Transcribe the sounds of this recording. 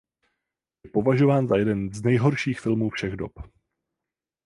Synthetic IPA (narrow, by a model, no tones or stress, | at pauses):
jɛpo̞vaʒo̞vaːnzajɛdɛnznɛjɦo̞ɾʃiːxfɪlmuːfʃɛɣdop